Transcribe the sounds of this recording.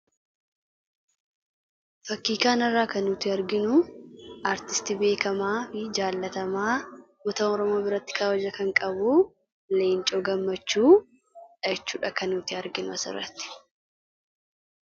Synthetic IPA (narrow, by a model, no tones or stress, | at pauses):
fɐkːiːkaːnɐrːaːkɐnːʊt̪ɪɐɾɡɪnʊʔaːɾt̪ɪ̥st̪ɪbe̞ːkɐmaːfɪd͡ʒaːlːɐt̪ɐmaː | mɔt̪oːnɔɾɔmo̞ːbɪɾɐt̪ːɪ̥kaːwɐd͡ʒɐkɐŋkʼɐbu | leːnt͡ʃʼo̞ːɡɐmːɐt͡ʃːuː | ᶑɐt͡ʃːuːᶑɐkɐnːʊt̪ɪɐɾɡɪnʊɐsɪ̰rːɐ̰t̪ːɪ̥